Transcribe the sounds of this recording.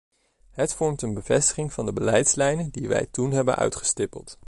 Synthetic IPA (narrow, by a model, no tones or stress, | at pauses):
ɦətfɔɹmtənbəvɛstə̥χɪŋv̥ɑndəbəlɛjtslɛjnədiʋɛ̰jtunɦɛbə̰nʔœ̰ɥtχə̥stɪpəlˠt